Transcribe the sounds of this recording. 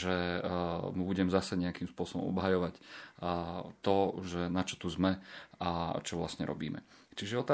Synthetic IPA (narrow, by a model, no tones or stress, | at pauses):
ʒɛ | mubuɟɛmzasɛɲɛakiːmspʊɔsɔbɔ̰mʔɔ̰bɦajɔʋac | t̪ɔʒɛnat͡ʃɔ̥t̪uzmɛat͡ʃɔʋla̰sɲɛ̰ɾɔ̰bḭːmɛ̰t͡ʃiʒɛɔt̪a